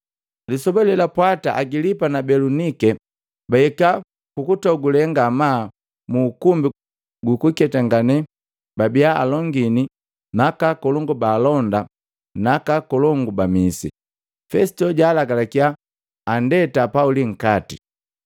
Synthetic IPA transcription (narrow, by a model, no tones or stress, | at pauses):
lisɔbɛlɛlapwataʔaɡilipanabɛlunikɛ | baɛka | kukutɔɡulɛŋɡamaː | muːkumbi | ɡukukɛtaŋɡanɛ | babiaa̰lɔŋɡini | nakakɔlɔŋɡubaːlɔnda | nakakɔlɔŋɡubamisḭ | fɛsi̥tɔɟaːlaɡalakiaː | ndɛtapauliŋ̩kati